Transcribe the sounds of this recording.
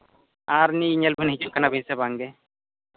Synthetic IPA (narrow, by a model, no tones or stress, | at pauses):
aɾniːɲɛlbʱinɦit͡ʃukanabʱinsɛbaŋɡɛ